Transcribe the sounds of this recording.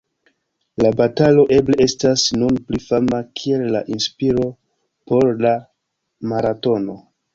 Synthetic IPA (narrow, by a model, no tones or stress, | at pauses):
labatalo̞ʔe̞ble̞e̞stasnunplifamakʰie̞lːaʔinspiɾo̞ | po̞ɾla | maɾato̞no̞